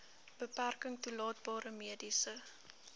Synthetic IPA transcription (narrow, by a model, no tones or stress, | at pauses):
b̥əpærkəŋtulɑːt̚bɑːɾəmiədisə